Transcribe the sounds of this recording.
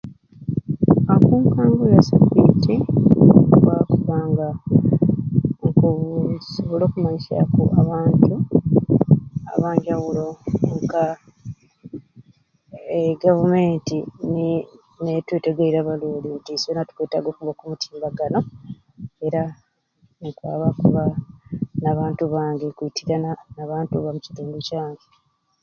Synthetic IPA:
akuːŋkaːŋɡojasapiti | βakuβaːŋɡa | ŋkusoβolo̞ːkumaɲiʃa̰kuʔaβaːntu | a̰βaːɲd͡ʒaβuloŋka | eɡavume̞ːntini | netweːteɡeiɾaβaluːlintisonatu̥kweːta̰ɡo̞ːkuβakumutʰiːmbaɡano̞ | e̞ɾa | nkwa̰ːβakuβa | naβaːntuβaːŋɡe̞kuitʰiɾananaβaːntuβamuci̥tuːnducaːŋɡe

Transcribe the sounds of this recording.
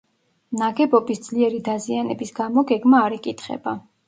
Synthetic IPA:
naɡɛbɔbisd̪z̥liɛɾid̪azianɛbisɡ̥amɔɡɛɡmaːɾɛkʼit̪ʰχɛ̰ba

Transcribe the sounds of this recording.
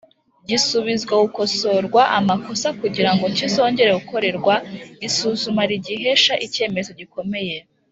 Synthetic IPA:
ɟisuβizɡwauko̞so̞ɾɡwaʔamako̞sakuɟiɾaŋɡoɲciso̞ːɲɟe̞ɾe̞uko̞ɾe̞ɾɡwaisuːzumaɾiɟiɦeʃaʔice̞ːme̞zo̞ɟiko̞me̞je̞

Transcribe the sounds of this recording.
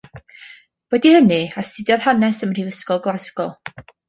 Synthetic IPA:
b̥ɛdihənɨastɪdjɔð̥hanɛsəmr̥ivəskɔlˠɡlˠasɡɔlˠ

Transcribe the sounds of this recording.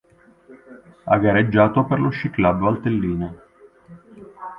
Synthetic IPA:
a̰ɡaɾed͡ʒːaːt̪operloʃːiklaboalt̪elːiːne

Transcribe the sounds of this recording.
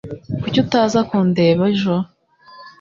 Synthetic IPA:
kucutaːzakoːndeβaʒo

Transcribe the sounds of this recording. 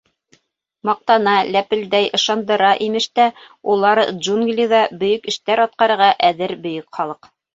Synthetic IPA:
mɑq̚t̪ɑnɑlæpɘ̆ld̪æjʔɤ̆ʃɑnd̪ɤ̆ɾɑʔimɘ̆ʃt̪æ | ulˠɑɾʒuŋɡlʲiðɑbɵ̆jɵkɘ̆ʃt̪æɾɑt̪̚qɑɾɤ̆ɾʁɑʔæðɘɾbɵ̆jɵkχɑlˠɤq

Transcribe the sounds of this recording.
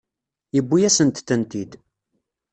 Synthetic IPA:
jəbːijæsənt̪θənt̪id̪

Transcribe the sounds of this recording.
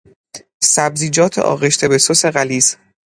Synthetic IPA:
sæbziːd͡ʒɒːt̪ʰḛʔɒ̰ːɣeʃt̪ʰe̞besose̞ɣæliːz

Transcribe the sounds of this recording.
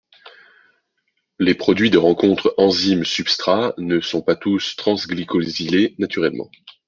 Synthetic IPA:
lepχɔd̪ɥid̪əʁɑ̃kɔ̃t̪χɑ̃zimsypst̪χanəsɔ̃pat̪ust̪χɑ̃zɡlikʰɔzilenat̪yʁɛlmɑ̰̃

